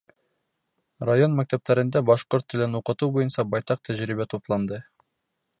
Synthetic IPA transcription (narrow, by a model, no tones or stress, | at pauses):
rajo̞nmæk̚t̪æp̚t̪æɾɘ̆nd̪æbɑʃqoɾt̪ːɘ̆lɘnuqɤ̆t̪ubojɤnsɑbɑjt̪ɑq̚t̪ʰæʒɾibæt̪ʰuplˠɑnd̪ɤ